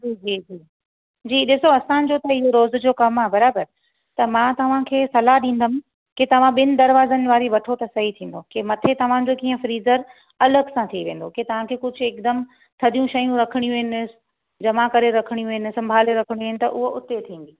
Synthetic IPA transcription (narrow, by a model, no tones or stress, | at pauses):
d͡ʑiːd͡ʑiːd͡ʑiː | d͡ʑiːɗɪsoɐsã̆d͡ʑot̪ɐɪɦoɾoːzd͡ʑoːkɐmaːɦbɐɾaːbəɾ | t̪ɐmãːt̪ɐʋ̤ãkʰeːsɐlaɦɗĩːn̆d̪əm̆ | ket̪ɐʋ̤ãɓɪnɪ̆d̪ɐɾʋaːzənɪ̆ʋaːɾiʋɐʈʰot̪ɐsɐɦit̪ʰĩːn̆d̪okemɐt̪ʰet̪ɐʋ̤ãd͡ʑokiːə̃fɾiːzəɾ | ɐləɡsãt̪ʰiʋẽːn̆d̪oket̪ɐʋ̤ãkʰeːkʊd͡ʑʱʊeːk̚d̪əm | t̪ʰɐd̪ijũʃɐjũɾɐkʰəɽ̃ijũɪnɪsɪ̥̆ | d͡ʑɐʋãkɐɾeɾɐkʰəɽ̃jũɪnɪsɐ̃mbʱaːleɾɐkʰəɽ̃iuɦɪnɪ̆t̪ɐ̰ʔʊɦoʔʊt̪et̪ʰĩːn̆d̪iː